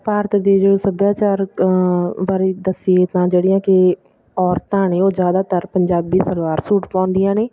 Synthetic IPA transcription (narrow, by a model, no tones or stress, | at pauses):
paːɾt̪d̪eːd͡ʒoːsəbjaːt͡ʃaːɾ | ʋaːɾiːd̪əsɪjeːt̪ãːd͡ʒeːɽɪjãːkɪ | ɔːɾt̪ãːɳẽːoːzjaːd̪aːt̪əɾpəɲd͡ʒaːbiːsəlwaːɾsuːʈpãːnd̪ɪjãːneː